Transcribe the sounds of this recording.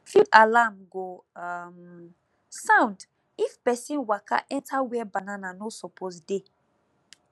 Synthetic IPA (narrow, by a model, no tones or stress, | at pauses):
fudalamɡom | sãw̃nd | ifpɛsĩnwakʰa̰ʔɛ̃ntʰawɛbanananosɔpʰosde